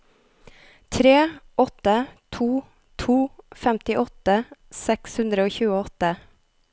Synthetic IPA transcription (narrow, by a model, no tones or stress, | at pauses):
t̪ʰɾeːʔɔt̪ət̪ʰuː | t̪ʰuːfɛmt̪ɪʔɔt̪əsɛkshʉnd̪ɾəoːçʉːəɔt̪ə